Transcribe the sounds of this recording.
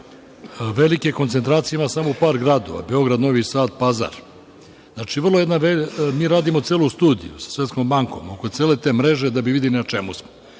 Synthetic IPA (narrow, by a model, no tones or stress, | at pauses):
ʋelikekont̪set̪ɾaːt̪sijeimasamo̞upaːɾɡɾad̪o̞̰ʋa̰be̞o̞ɡɾad̪no̞ʋisaːt̪̚paza̰ɾ | znaːt͡ʃiʋr̩lojed̪naʋemiːɾaːd̪imot̪seːlust̪uːd̪ḭjṵsḁsʋet̪sko̞mbaŋko̞̰moko̞t̪seːle̞t̪eːmɾe̞ʒe̞d̪abiʋid̪ilinat͡ʃemusmo